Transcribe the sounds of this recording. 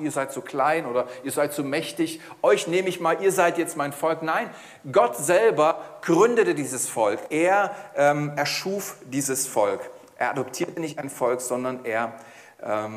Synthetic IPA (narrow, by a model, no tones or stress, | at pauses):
ʔiːɐzaɪtz̥oːkʰl̥aɪnʔoːdɐʔiːɐzaɪtz̥oːmɛçtɪç | ʔɔʏçneːməɪçmaːlʔiːɐzaɪtjɛt͡stmaɪnfɔlknaɪn | ɡɔtz̥ɛlbɐɡ̥ʁʏndətədiːzəsfɔlkʔeːɐʔɛːmʔɛɐʃuːfd̥iːzəsfɔlk | ʔeːɐʔadɔptʰiːɐtənɪçtaɪnfɔlkz̥ɔndɐnʔeːɐ | ʔɛːm